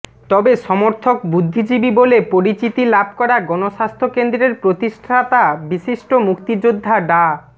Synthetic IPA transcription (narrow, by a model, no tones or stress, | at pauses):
t̪ɔbeʃɔmoɾt̪ʰokbud̪ʱːid͡ʑibibolepoɾit͡ɕit̪ilab̚ʱkɔɾaɡɔnoʃast̪ʰokend̪ɾeɾpɾot̪iʃʈʰat̪abiʃiʃʈomukt̪id͡ʑod̪ʱːaɖa